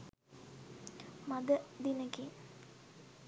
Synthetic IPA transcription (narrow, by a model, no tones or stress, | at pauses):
maɡ̪əd̪inəke